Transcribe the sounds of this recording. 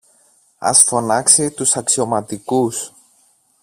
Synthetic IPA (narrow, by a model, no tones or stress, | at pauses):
ɐ̰sfo̞nɐksit̪usɐksio̞mɐt̪ikus